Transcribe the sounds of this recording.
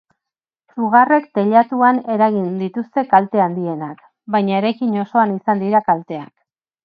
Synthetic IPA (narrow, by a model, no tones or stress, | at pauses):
suɣ̞are̞kt̪e̞ʎat̪uane̞ɾaɣind̪it̪ust̪e̞kalt̪e̞and̪ie̞nak | bajɲaeɾakiɲo̞so̞anisand̪iɾakalt̪e̞a̰k